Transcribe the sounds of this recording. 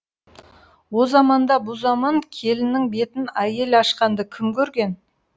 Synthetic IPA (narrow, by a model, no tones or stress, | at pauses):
wo̞zɑmɑnd̪ɑbʊzɑmɑŋkʲʰe̞lɪnɪŋbe̞t̪ɪnæje̞lɑʃqɑnd̪əkʲʰɪmkʲʰɵɾɡʲe̞n